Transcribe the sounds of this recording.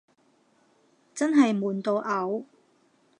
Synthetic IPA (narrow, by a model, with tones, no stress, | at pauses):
t͡sɐ˥nɦɐ˨jmuː˨˩nt̪o˨˧ʔɐ˨˥w